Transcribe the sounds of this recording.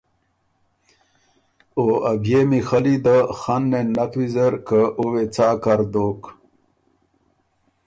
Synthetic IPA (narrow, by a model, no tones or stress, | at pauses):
oaɡemixɐlid̪əxanːenat̪wizəɾkəowet͡saːkaɾd̪oːk